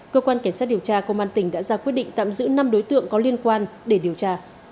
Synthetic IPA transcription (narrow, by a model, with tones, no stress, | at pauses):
kəː˧kwaː˧nka˧˩jŋsa˦˥t̚ɗi˨˩əwt͡ɕaː˧kə˧wʔaː˧nt̪ï˧˩ŋ̟ɗa̰ː˧˥zaː˧kwt̚ɗḭ˧˨ŋ̟t̪a̰ː˧˨mzɨ̰˧˥na˧mɗo˨˦jt̪ɨ̰˧˨əŋkɔ˨˦li˧ənkwaː˧nɗe˧˩ɗi˨˩əwt͡ɕaː˧